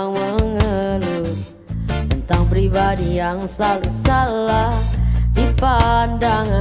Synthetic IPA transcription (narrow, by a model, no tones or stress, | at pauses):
ŋməŋəlu | t̪ənt̪aŋpɾibadijaŋsalusaladipandaŋa